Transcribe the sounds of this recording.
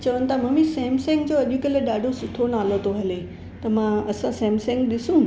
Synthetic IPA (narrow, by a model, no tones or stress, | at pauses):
t͡ɕɐʋənɪ̆t̪ʰamɐ̃misɛ̃ːmsɛ̃ːŋɡ̚d͡ʑoːɐʄukeleɗaːɖʱosʊʈʰonaːlot̪ʰoɦɐle | t̪ɐmãɐsãsɛ̃ːmsɛ̃ːŋɡɗɪsũ